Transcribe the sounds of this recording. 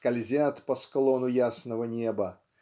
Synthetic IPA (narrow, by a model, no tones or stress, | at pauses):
kɐlʲzʲat̪pəsklˠonʊjasnəvənʲebə